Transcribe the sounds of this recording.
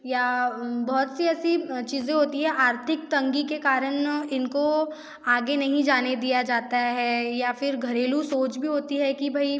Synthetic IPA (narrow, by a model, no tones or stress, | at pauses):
jabɔɦʊt̪siɛːsit͡ʃiːzẽɦoːt̪iɦɛ̃ʔaːɾt̪ʰɪk̚t̪ɐ̃ŋɡikekaːɾənɪnko | aːɡenɐɦĩd͡ʒaːned̪ijad͡ʒaːt̪aɦɛːjafɪɾɡʱɐɾeːlusoːt͡ʃbʱiɦoːt̪iɦɛkibʱɐi